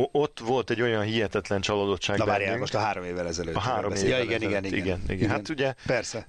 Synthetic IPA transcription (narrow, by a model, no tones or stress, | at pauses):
ot̪ːʋo̞lt̪ɛɟːo̞jɒnɦijɛt̪ɛt̪lɛnt͡ʃɒlod̪o̞tʃaːɡlɛaːnɾjayŋoʃt̪ɒɦaːɾomeːvːɛlɛzɛløːɒɦaːɾomeːjɒiɡɛniɡɛniiɡɛnḭɡɛnɦat̪uɟɛpɛrsɛ